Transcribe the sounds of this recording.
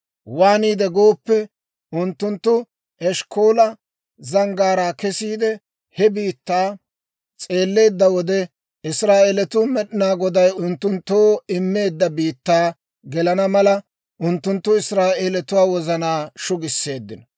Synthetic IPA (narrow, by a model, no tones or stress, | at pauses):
waːniːd̪ɛɡoːpːɛ | ʔʊnt̪ːʊnt̪ːʊ | ʔɛʃkʰoːlɐ | zɐŋɡaːɾaːkɛsiːd̪ɛ | hɛbiːt̪ːaː | t͡sʼe̞ːlːe̞ːd̪ːɐwɔd̪ɛ | ɪsɾaːeːlɛt̪ʊmɛɗɪnaːɡɔd̪ɐjʊnt̪ːʊnt̪ːoːɪmːe̞ːd̪ːɐbiːt̪ːaː | ɡɛlɐnɐmɐlɐ | ʔʊnt̪ːʊnt̪ːʊɪsɾaːʔeːlɛt̪ʊwaːwɔzɐnaːʃʊɡɪsːe̞ːd̪ːɪnɔ